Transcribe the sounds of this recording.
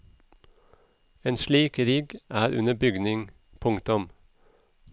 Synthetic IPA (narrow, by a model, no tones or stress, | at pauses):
eːnʃliːkɾiːɡʔæːɾʉ̰nəbʏɡnɪŋ | pʰʊŋt̪ʊm